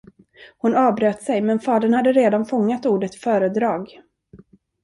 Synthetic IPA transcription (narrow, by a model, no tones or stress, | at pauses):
hʊnɑːbɾøːt̪sɛjmɛnfɑːd̪əɳhad̪ːəɾeːd̪anfɔŋːat̪uːɖət̪fœːɾəd̪ɾɑːɡ